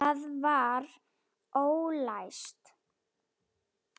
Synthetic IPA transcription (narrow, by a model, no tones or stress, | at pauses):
aðvaɾ | oːwlajst̪